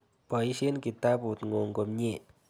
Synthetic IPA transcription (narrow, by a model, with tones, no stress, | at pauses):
pɔ˨i˦ʃe˦nki˨ta˦pu˨tŋo˨ŋɡo˨mɲe˦˨